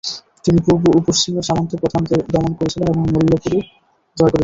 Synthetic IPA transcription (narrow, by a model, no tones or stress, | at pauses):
t̪imipuɾbuupoʃt͡ɕimeɾʃamont̪ʰopɾod̪ʱant̪ed̪ɔmonkoɾet͡ɕʰileeboŋmolːokuɾu | d͡ʑɔekoɾe